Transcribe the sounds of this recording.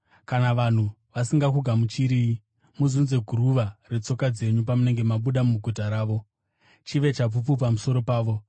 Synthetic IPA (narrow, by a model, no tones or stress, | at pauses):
kanaʋan̤u | ʋasiŋɡakuɡʱamut͡ʃiɾiːi | muzunze̞ɡʱuɾuʋare̞t͡so̞kad͡ze̞ɲupamune̞ŋɡe̞maɓuɗamumuɡʱutaɾaːʋo̞ | t͡ʃiʋe̞t͡ʃap̬upupamuso̞ɾo̞paːʋo̞